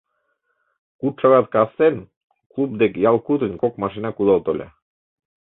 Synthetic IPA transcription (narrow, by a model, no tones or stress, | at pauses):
kuʃaɡɑt̪kast̪en | klˠub̚d̪ekjɑlˠkut̪unʲkokmɑʃinɑkud̪ɑlˠt̪olʲḛ